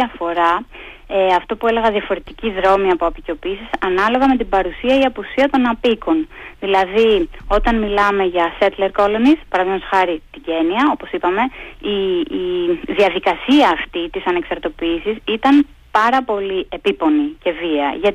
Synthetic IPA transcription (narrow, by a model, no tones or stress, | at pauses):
ɐfo̞ɾɐ | eɐft̪o̞pue̞le̞ɣɐðiɐfo̞ɾe̞t̪iciðɾo̞miɐpo̞ɐpico̞piːsisɐnɐlo̞ɣɐme̞t̪ibɐɾusiɐiɐpusiɐt̪o̞nɐpiko̞nðilɐðio̞t̪ɐnmilɐme̞ʝɐse̞t̪le̞ɾko̞lonispɐɾɐðimosxɐɾit̪iɟe̞niɐo̞po̞sipɐme̞i | ðiɐðikɐsiɐːft̪it̪isɐne̞ksɐɾt̪o̞piːsisit̪ɐn | pɐɾɐpo̞lie̞pipo̞nice̞viɐ̰ʝɐt̪